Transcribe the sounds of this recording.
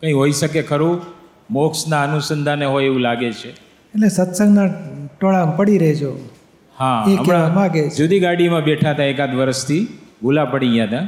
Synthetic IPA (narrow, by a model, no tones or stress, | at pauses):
kə̃ĩɦoiʃəkekʰəɾũ | moksnaənusənd̪ʱaneɦojeʋũlaɡet͡ʃʰe | eʈlesət̪səŋɡnaʈoɭampəɽiɾəɦet͡ʃʰo | hãeəmeɾaamaɡed͡ʒod̪ʱiɡaɽimãbeʈʰat̪aekat̪ʋəɾəʃt̪ʰibʱulapəɽijãt̪ã